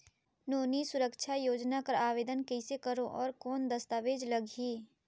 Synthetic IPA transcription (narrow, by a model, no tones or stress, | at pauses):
noːnisʊɾəkʃʰajoːd͡ʒnakəɾaːʋeːd̪ənkɛɪsekəɾoʔɔːɾkɔːnd̪əst̪aːʋeːd͡ʒlɐɡʱiː